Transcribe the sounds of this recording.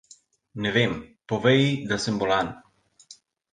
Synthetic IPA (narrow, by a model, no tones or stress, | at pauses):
nɛvempɔvɛjid̪asəmbɔlan